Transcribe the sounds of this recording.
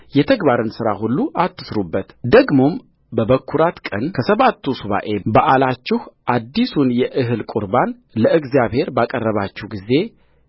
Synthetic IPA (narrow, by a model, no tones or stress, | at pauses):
jɛt̪ʰəɡbaɾɨnsɨɾa̰hulːuʔat̪ʰːɨ̥sɾubːət̪d̪əɡmo̞m | bəβəkʰːuɾat̪kʼənkʰəsəβat̪ʰːusuβa̰ʔe̞baʔalat͡ʃːɪhʔad̪ːisunjɛʔɨɦɨlkʼuɾban | ləɨɡzjaβhe̞ɾbakʼərːəβat͡ʃːɪhɡize̞